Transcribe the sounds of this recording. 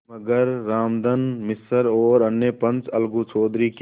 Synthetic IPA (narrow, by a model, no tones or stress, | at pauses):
ɐɡəɾːaːmd̪ənmɪsəɾoːɾɐnːeːpə̃nt͡ʃɐlɡũt͡ʃʰoːd̪ɾik